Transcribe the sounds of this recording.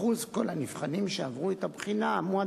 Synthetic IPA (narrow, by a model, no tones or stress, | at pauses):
uzko̞lhanifχanimʃeavʁuet̪abχinamua